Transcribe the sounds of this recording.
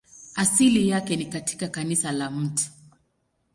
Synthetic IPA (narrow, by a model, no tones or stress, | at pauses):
asilijakɛnikatʰi̥kakanisalam̩tu̥